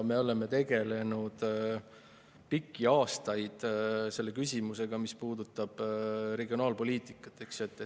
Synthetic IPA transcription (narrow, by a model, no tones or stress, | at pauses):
me̞o̞le̞me̞t̪e̞ɡe̞le̞nud̪̥ | pikːiɑːst̪ɑjd̪̥se̞lːe̞kysʲimuse̞ɡ̥ɑmispuːd̪ut̪ːˑɑb̥ɾe̞ɡio̞nɑːlpo̞liːt̪ˑikːˑɑ̥t̪ːˑeksjet̪ːˑ